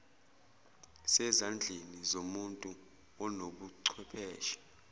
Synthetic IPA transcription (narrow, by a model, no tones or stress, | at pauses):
sɛzand͡ɮʱenizomuntʼu | ɔnoɓuǀʰwɛpʰɛːʃi̥